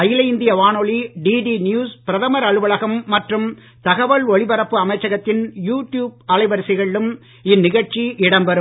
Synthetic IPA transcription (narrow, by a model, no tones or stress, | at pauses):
ɐjɪlɐɪnd̪ɪjɐʋaːnoɭiɖiːɖiːnjuːspɪɾɐðɐmɐɾɐɻɯʋɐɭɐɣɐmːɐʈrɯm | t̪ɐɣɐʋɐɭɔɭɪbɐɾɐpːɯɐmɐɪt͡ʃːɐɣɐt̪ːɪnjuːʈjuːb̚ɐlɐɪʋɐɾsɪɣɐɭɪlɯm | ɪnːɪɣɐɻt͡ʃiʔɪɽɐmbɐɾɯm